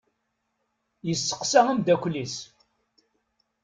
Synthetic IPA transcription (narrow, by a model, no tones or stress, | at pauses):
jəsːə̥qsææmd̪ækʷlis